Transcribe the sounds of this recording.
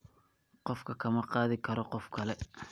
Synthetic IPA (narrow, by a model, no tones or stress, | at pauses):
qɔfkʰɐkʰɐmɐqɑːðɪkʰɐɾɔqɔfkʰɐlɛ